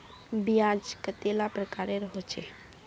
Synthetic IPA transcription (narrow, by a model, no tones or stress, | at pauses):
bijad͡ʒkət̪elapɾəkaɾeɾəɦot͡ʃʰɛ̰